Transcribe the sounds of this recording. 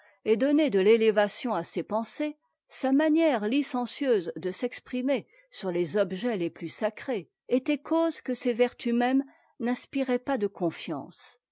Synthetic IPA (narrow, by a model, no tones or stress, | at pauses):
ed̪ɔned̪əlelevasjɔ̃asepɑ̃se | samanjɛʁlisɑ̃sjøzd̪əsɛkspχime | syʁlezɔbʒɛleplysakχe | et̪ɛkozkəsevɛʁt̪ymɛm | nɛ̃spiʁɛpad̪əkɔ̃fjɑ̰̃s